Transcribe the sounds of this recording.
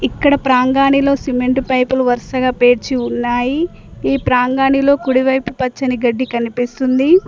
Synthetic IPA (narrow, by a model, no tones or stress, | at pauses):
ikːɐɽɐpɾaːŋɡaːnilo̞ːsimeɳʈpɐjpuluʋɐɾsɐɡaːpe̞ːɾt͡ʃiunːaːji | iːpɾaːŋɡaːɳilo̞ːkuɽiʋɐjpupɐt͡ʃːɐniɡɐɖːikɐnipist̪und̪i